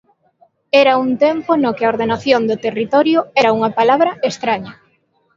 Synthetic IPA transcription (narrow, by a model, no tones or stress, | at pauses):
ɛɾɐunt̪emponokɪaoɾðenaθjond̪ʊt̪erit̪ɔɾjʊɛɾauŋɐpalaβɾɐest̪ɾaɲɐ